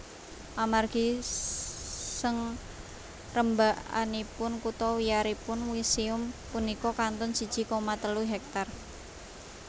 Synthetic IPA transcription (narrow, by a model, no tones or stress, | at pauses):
ʔamarɡ̥i | səŋ | rəmbaʔa̰nipʊnkut̪ɔwiaɾipʊnwisiʊmpunikɔkant̪ɔnsid̥ʒ̥i̤kɔmat̪əluɦɛk̚t̪ar